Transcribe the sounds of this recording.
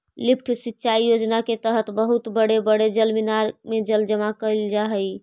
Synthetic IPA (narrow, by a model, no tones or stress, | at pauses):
lipʰʈʰsitːʃʰaijod͡ʒnaket̪əɦət̪bəɦut̪bəɽebəɽed͡ʒəlminaɾmed͡ʒəld͡ʒəmakəld͡ʒaɦəj